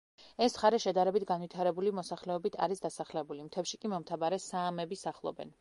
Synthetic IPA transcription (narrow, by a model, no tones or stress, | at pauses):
ɛsχaɾɛʃɛd̪aɾɛbit̪ʰɡanwit̪ʰaɾɛbulimɔsaχlɛɔbit̪ʰa̰ɾisd̪asaχlɛbulimt̪ʰɛfʃikʼimɔmt̪ʰabaɾɛsaːmɛbisaχlˠɔ̰bɛ̰n